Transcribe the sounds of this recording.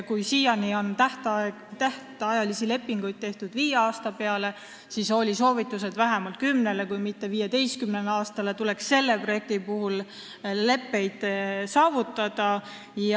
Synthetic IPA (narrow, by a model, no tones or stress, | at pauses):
kujsiːjɑnio̞nt̪æht̪ | t̪æht̪ˑɑjɑlisile̞pːiŋɡ̥ujd̪̥̚t̪e̞ht̪ud̪̥viːjeɑːst̪ɑpe̞ɑle̞ | siso̞lʲiso̞ːvit̪ːˑuse̞d̪̥væɦemɑlt̪̚kymne̞le̞kujmit̪ːe̞viːjed̪e̞jst̪̚kymneleɑːst̪ɑle̞t̪ule̞ksːe̞lːe̞pro̞je̞k̚t̪ipuhul | le̞pːe̞jd̪̥sɑːvut̪ːˑɑd̪̥ɑ | j